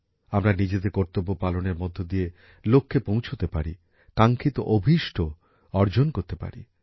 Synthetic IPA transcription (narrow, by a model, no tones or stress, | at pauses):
amɾanid͡ʑed̪eɾkɔɾt̪obːopaloneɾmɔd̪ʱːod̪ije | lokʰːepõw̃t͡ɕʰot̪epaɾi | kaŋkʰit̪oʔobʱiʃʈʰo | ɔɾd͡ʑonkoɾt̪epa̰ɾḭ